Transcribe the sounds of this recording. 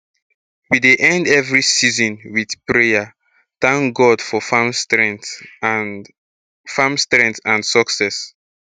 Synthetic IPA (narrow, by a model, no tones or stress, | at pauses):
wideʔɛ̃ndɛvɹisizɔ̃nwiθpɹeja | θãŋkɡɔdfɔfm | famstɹɛ̃ntãnsɔksɛs